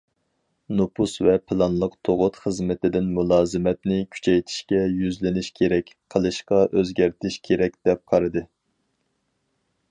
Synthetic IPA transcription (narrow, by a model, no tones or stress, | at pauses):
nopʰusvɛpʰɨlˠɑnlˠəqt̪ʰoʁʊt̪χəzmɪt̪ɪd̪ɪnmulˠɑːzɨmɛt̪nɪkʲʰy̥t͡ʃʰɛjt̪ʰɪ̥ʃkʲɛjyzlɪnɪʃkʲʰeɾɛkʲqʰəlˠɨʃqɑʔøzɡʲæɾt̪ʰɪʃkʲʰeɾɛk̚ʲd̪̥ɛp̚qʰɑɾɨd̪ɨ